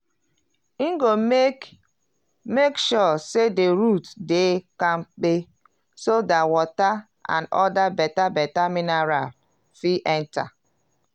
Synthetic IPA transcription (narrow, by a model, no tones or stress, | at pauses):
iŋɡo | mekʃɔsedeɾutdekãmk͡pe | sodatwɔta | ã̰nɔdabɛtabɛtaminaɾal | fiʔɛ̃nta̰